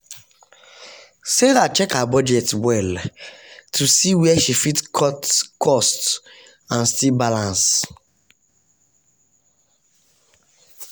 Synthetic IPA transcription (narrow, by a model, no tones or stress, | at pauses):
sedat͡ʃɛkabɔd͡ʒɛtwɛl | tʰusiwɛɛʃifitkʰɔtkʰɔst | ãnstilbalãns